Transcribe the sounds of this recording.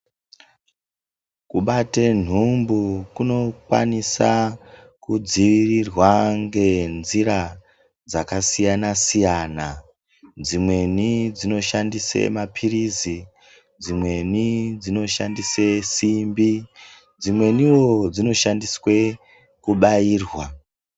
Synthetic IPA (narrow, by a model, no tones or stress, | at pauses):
kuɓaten̤umbukuno̞kwa̰nisa | kud͡ziʋirirwaŋɡe̞nziɾa | d͡zakasijanasijana | d͡zimwe̞nid͡zino̞ʃandisḛmapʰirizi | d͡zimwe̞nid͡zino̞ʃandisesimbi | d͡zimwe̞niwo̞d͡zino̞ʃandiswe̞ | kuɓaiːrwa